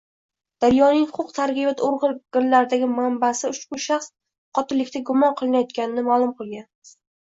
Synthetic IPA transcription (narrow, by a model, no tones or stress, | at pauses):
d̪̥aɾjɒnɪŋhχʊqt̪ʰaɾqʲibat̪ʰoɾʁɨɾɡ̥ɪɾlaɾd̪aɡʲɪmambasɪʊʃkʲʊʃaχs | qʰɒt̪ɪlɪkʲt̪ʰaɡʊmɒnqʰɨlˠɪnajɒt̪̚kʲanɪnɪmalˠʊmqʰɨlˠɡʲan